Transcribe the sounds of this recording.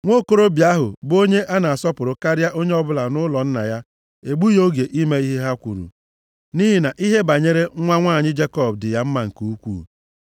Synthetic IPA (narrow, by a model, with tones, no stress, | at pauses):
ŋʷo˦ko˦ɾo˦bja˦ɦʊ̰˨bo˦ɲe˦ʔa˦na˨a˨sɔ˦pʊ˨ɾʊ˨ka˦ɾa˦ʔo˦ɲe˦ɔ˦bʊ˦la˨nʊ˦lɔ˨n̩˦na̰˨ja˦ | e˨ɡ͡bu˦jo˦ɡe˨ʔi˦me˦i˦ɦe˦ɦa˦kʷu˨ɾṵ˨ | ni˦ɦi˨na˨ʔi˦ɦe˦ba˨ɲe˦ɾe˦ŋʷa˦ŋʷaː˦˨ɲɪ˦d͡ʒe˦kɔ˦bdɪ˨ja˦m̩˦ma˨ŋ̩˨ku˨u˦kʷṵ˦˨